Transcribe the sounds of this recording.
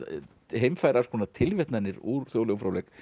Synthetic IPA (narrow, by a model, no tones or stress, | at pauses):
ɦeːjmfajɾḁskʰɔnat̪ʰɪlvɛt̪nɛnːɪɾuɾ̥θjowlɛɣʏmfɾawlɛk